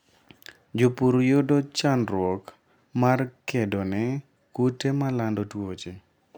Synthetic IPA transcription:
d͡ʒopuɾjodot͡ʃanɾwɔk | markedɔnɛ | kutemalandɔtwot͡ʃe

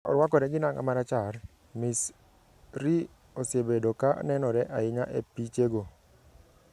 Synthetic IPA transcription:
ɔ̰ɾwakɔɾɛɡɪnaŋa̰maɾat͡ʃar | mɪs | ɾi | osebedoka̰nɛnɔɾɛʔaɪɲaʔepit͡ʃeɡo

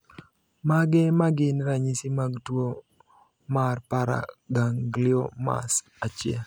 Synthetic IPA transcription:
maɡɛmaɡɪnɾaɲisimaɡtwo | marpaɾa̰ɡaŋɡlɪoma̰s | at͡ʃɪɛ̰l

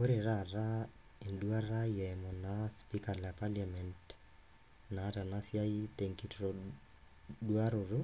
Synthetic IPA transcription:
oɾeɾaɾa | endwaɾajɛɛmɔnaspikalapaljamɛnt | naɾanasjaiteŋkitɾɔ | dwaɾoɾo

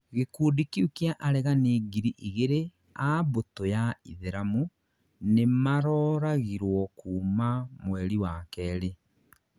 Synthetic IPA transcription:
ɣekuːdikiukiaʔaɾɛɣaneːɡiɾiʔiɣeɾe | abotojaḭðeɾamu | nemaɾɔːɾaɣiɾwɔkuːmamwɛɾiwakɛːɾe

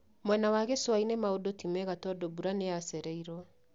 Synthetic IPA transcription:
mwɛnawaɣeswainemaodotimɛɣatɔdobuɾaneasɛɾɛiɾɔ

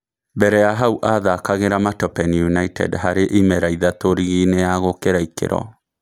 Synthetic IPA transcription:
bɛɾɛjaɦauʔaðakaɣeɾamatɔpɛnjunaitɛ̰dɦaɾeʔimɛɾaiðatoɾiɣineaɣokeɾaikḛɾɔ̰

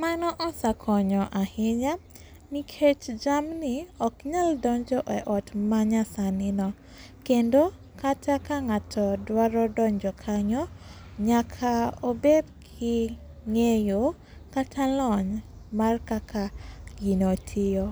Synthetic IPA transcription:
manɔʔɔsakʰɔɲɔʔahɪɲa | nikʰet͡ʃd͡ʒamniɔkɲaldɔɲd͡ʒɔʔɛʔɔtmaɲasanɪnɔ | kendo | katakaŋatʰɔdwaɾɔdɔɲd͡ʒɔkʰaɲɔ | ɲakʰaobedkʰɪ | ŋejo | katʰalɔɲ | markakʰaɡinotʰɪjɔ

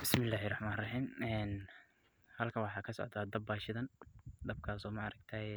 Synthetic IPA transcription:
bɪsmɪlːaːɦɪrɑħmaːnɪrɑħiːmɛːn | hɐlkʰɐwɑħɑːkʰɐsɔ̰ʕd̪aːd̪ɐbːaːʃɪðɐnd̪ɐb̚kʰaːsɔmɐɑɾɐɡt̪ʰɐɛ

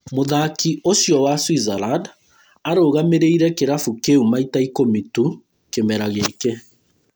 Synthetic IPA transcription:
moðakiosjɔwaswizaɾad | aɾoːɣameɾeiɾɛkeɾafukeumaitaikomitu | kemɛɾaɣekɛ

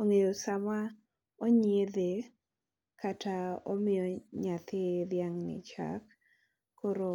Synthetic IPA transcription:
oŋejosama | oɲjed̪e | kataɔmɪjɔɲat̪ɪd̪jaŋnɪ̰t͡ʃa̰kʰː | oɾo

